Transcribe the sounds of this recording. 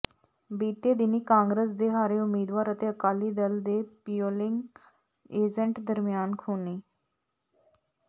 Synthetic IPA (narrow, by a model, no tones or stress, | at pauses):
biːʈeːd̪ɪniːkãːŋɡɾəs̬d̪eːɦaːɾeːʊmiːd̪ʋaːɾət̪eːəkaːliːd̪əld̪eːpijoːlɪŋɡ | eːd͡ʒəɳʈd̪əɾmɪjaːnkʰuːneː